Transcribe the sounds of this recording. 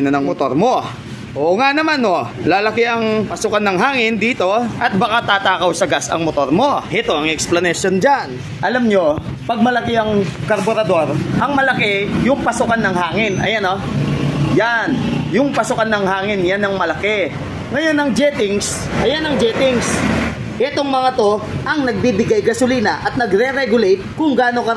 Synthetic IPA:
nɐnɐŋmot̪o̞ɾmo̞ | ʔoːʔŋanɐmano̞laːlɐkɪʔɐŋpɐsʊkɐnːɐŋɦaːŋɪnd̪iːt̪o̞ʔɐt̪̚bɐkat̪aːt̪aːkɐwsɐɡasɐ̰ŋmot̪o̞ɾmo̞ʔɪt̪oɐŋɛksplɐnɛʃond͡ʒan | ʔɐlamɲo̞pɐɡ̚mɐlɐkɪɐŋkɐɾboɾɐd̪o̞ɾʔɐŋmɐlɐkɛjʊŋpɐsʊkanːɐŋhaːŋɪnɐ̰jano | janjʊŋpɐsʊkanːɐŋhaːŋɪnjanɐŋmɐlɐkɛ | ŋɐjo̞nɐŋd͡ʒɛːt̪ɪŋs | ʔɐjanɐŋd͡ʒɛːt̪ɪŋs | ʔɛt̪o̞ŋmɐŋat̪o̞ʔɐŋnɐɡ̚bibɪɡajɡɐsʊliːnɐʔɐt̪̚nɐɡɾɛɾɛɡʊlejt̪̚kʊŋɡaːno̞kɐ

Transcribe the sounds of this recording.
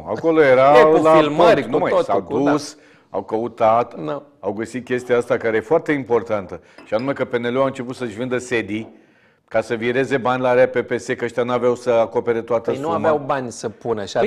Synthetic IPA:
a̰ko̞lojeɾaellailmməɾʲnumasawd̪us | a̰wkəut̪at̪no | awɡəsit̪̚kʲe̞st̪iaast̪akaɾejefoart̪e̞impo̞rt̪ant̪ə | ʃianume̞kəpe̞ne̞lewaɨnt͡ʃe̞put̪səʃvɨnd̪əse̞d̪i | kasəviɾe̞ze̞banʲlaaɾeape̞pe̞se̞kəəʃt̪ʲanuaveawsəako̞pe̞ɾe̞t̪oat̪əsnuuavmeawbanʲsəpunəʃa

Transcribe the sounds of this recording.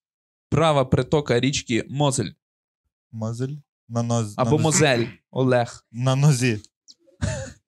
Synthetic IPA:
pɾɑʋɐpɾet̪ɔkɐɾʲit͡ʃkʲimɔzɛlʲ | mɔzlʲ | nɐɐbɔmɔzɛlʲɔ̰lˠɛxnɐnɔzʲi

